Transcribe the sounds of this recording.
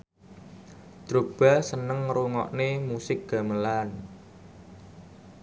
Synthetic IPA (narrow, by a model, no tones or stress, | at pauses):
d̪̥ɾob̥a̤sənəŋruŋɔ̰ʔnemusɪk̚ɡ̥a̤məlan